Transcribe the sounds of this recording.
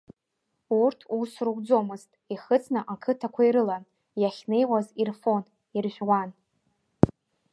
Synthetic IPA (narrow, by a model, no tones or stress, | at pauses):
urtʰusruɡʷd͡zo̞mɨztʼiχət͡sʰnɨʔakʰɨtʰakʷʰaiɾɨlan | jaχʲnejwazirfo̞n | irʒʷᶣwan